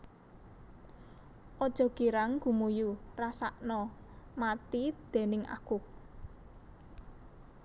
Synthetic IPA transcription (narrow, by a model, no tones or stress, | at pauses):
ʔɔd̥ʒ̥ɔ̤ɡ̥iɾaŋɡ̥ṳmujurasaʔnɔ | mat̪id̪̥e̤nɪŋa̰ku